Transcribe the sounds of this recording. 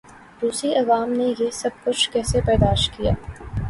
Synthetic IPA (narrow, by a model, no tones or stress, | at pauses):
d̪uːsiʔɐʋaːmnejesɐb̚kʊt͡ʃʰkɛːsepɛːd̪aːʃtkija̰ː